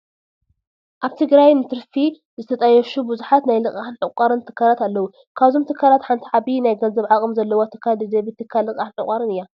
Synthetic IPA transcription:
ʔaβt̪ʰɨɡɾajnɨt̪ʰɨɾfi | zɨt̪ʰɐt̪ʼɐjːɛʃubɨzuħat̪najlɨkʼaħnʕɨkʷʼaɾɨnt̪ʰɨ̥kʰːalat̪alːɐwu | kʰaβzomt̪ʰɨkʰːalat̪ħant̪ʰiʕabinajɡɐnzɐβʕakʼɨmzɐlːɐwot̪ʰɨkʰːad̪ɨd̪ɐbɨt̪ʰɨkʰːalːɨkʼaħnʕɨkʼaɾɨnɨjːa

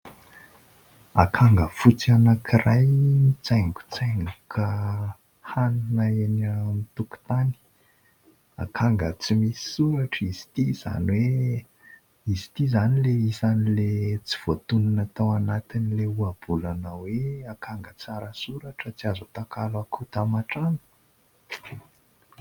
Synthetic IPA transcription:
akʰaŋɡəfut͡sianakʰirajnit͡sajŋɡu̥t͡sajŋɡukʰa | hanunaenamit̪uku̥t̪ani̥ | a̰kʰaŋɡət͡simisi̥suɾaʈ͡ʂizi̥t̪iz̥a̰nwe | izi̥t̪izanileisanilet͡si̥v̥ot̪unanat̪awanat̪inileuab̥ulanaweakʰaŋɡət͡saɾəsuɾaʈ͡ʂət͡siazot̪akalakʰut̪amaʈ͡ʂanə̥

